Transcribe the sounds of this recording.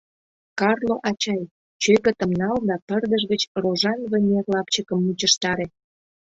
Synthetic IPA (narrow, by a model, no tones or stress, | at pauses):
kɑrloʔɑt͡ɕɑj | t͡ɕøkə̆t̪əmnɑld̪ɑpərd̪əʒɣət͡ɕroʒɑnβənʲerlɑpt͡ɕəkəmːut͡ɕəʃt̪ɑɾe